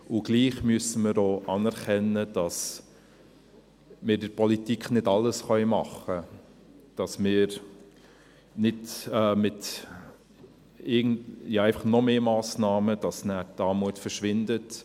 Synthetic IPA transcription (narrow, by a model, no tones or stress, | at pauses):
ʊɡ̥liːχmyəsəməɾoːʔɑnɛɾkɛnəd̥ɑs | mɪːɾdɪɾpɔlitikχnɪdɑlːəsχœjmɑ̰χə | d̥ɑsmɪːɾ | nɪdɛːmɪt | ɪɡn̩jɑːæɪfɑχnɔmeːmɑːsnɑːməd̥ɑsnæːtɑːmuətfəɾʃʋɪndət